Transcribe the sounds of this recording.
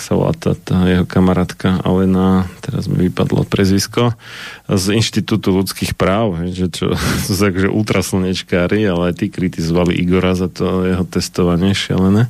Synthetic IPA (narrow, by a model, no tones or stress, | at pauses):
saʋla̰ːt̪a̰t̪ʰaːjɛɦɔkamaɾaːt̪kaa̰lɛnat̪ɛɾa̰zmḭʋipa̰d̪lɔ̰pɾɛzʋiskɔ | zinʃt̪it̪uːt̪ulut͡skiːxpɾaːʊɦɛjʒɛt͡ʃɔ̰susuakɔʒɛ̰ʔuːt̪ɾasl̩ɲɛt͡ʃkaːɾialɛajt̪iːkɾit̪izɔʋalḭʔiɡɔɾazat̪ɔjɛɦɔt̪ɛst̪ɔʋaɲɪɛʃɪa̰lɛnɛ